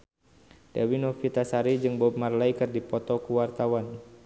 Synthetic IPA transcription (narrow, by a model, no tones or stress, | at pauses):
d̥awinɔfit̪asaɾid͡ʒɨŋbɔmarlajkɨrdipɔt̪ɔkuwart̪awan